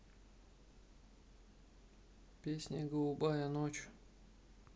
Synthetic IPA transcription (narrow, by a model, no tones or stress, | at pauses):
pʲesʲnʲəɡəlˠubajɐnot͡ɕʊ̥